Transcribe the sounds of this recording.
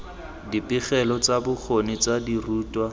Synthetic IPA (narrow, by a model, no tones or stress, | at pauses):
dipʼɪχɛlɔt͡sabʊk͡xʰonit͡sadiruːtwa